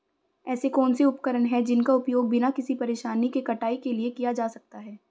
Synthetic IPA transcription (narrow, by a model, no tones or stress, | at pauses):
ɛːsekɔːnseʊpkəɾəɳɦɛd͡ʒɪnkaʊpjoːɡ̚bʱɪnakɪsipɐɾeːʃaːnikekɐʈaːikeliekijad͡ʒaːsɐk̚t̪aɦɛː